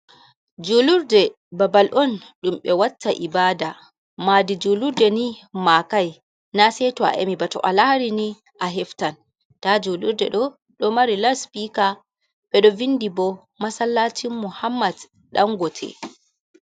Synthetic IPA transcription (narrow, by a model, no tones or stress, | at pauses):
d͡ʒuluɾdɛ | babalʔɔnɗumɓɛwatːaʔibaːda | maːdid͡ʒuluɾdɛnimakaj | nasɛtɔa̰ʔḛmibatɔ̰ʔalahɾini | ʔaɦɛftan | tad͡ʒuluɾdɛ̰ɗɔ | ɗɔmaɾilaspika | ɓɛɗɔvindibɔ | masalːatʰimːuhamːad | ɗa̰ŋɡɔtʰɛ̰